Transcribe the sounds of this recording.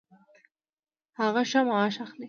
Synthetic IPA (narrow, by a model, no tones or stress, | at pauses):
haɣaʃamɑɑʃaxli